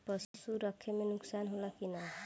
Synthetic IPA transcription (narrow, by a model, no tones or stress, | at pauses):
pʌssuɾʌkʰːemenuksanɦolakinʌ